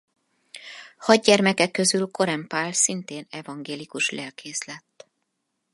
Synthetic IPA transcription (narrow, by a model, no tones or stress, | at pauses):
hɒɟ̚ɟɛrmɛkɛkːø̞zylko̞ɾɛmpaːlsint̪eːnɛvɒŋɡeːlikuʃlʔɛlkʰeːslɛt̪ː